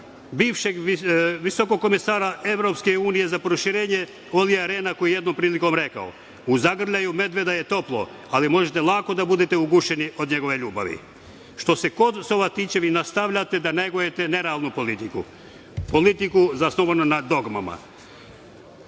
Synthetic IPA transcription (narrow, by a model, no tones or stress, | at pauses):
biːʋʃeɡʋiso̞koɡ̚kːo̞mesaːɾaʔeʋɾo̞pskeuːnije̞zapɾoʃiɾeːɲe | oliaɾeːnakojje̞d̪nompɾiːliko̞mɾe̞ka̰o̰ | uzaɡr̩ʎajume̞d̪ʋe̞d̪aje̞t̪o̞plˠo̞̰ | alimo̞ʒet̪elˠako̞d̪abud̪et̪euɡuʃe̞niʔo̞d̪ɲe̞ɡo̞ʋe̞ʎuːba̰ʋḭ | ʃt̪o̞seko̞d̪soʋat̪iːt͡ʃeʋinast̪aʋʎat̪ed̪aneɡojet̪ene̞ɾaːlˠnupolit̪ikṵ | polit̪ikuzasnoʋanunad̪o̞ɡma̰ma̰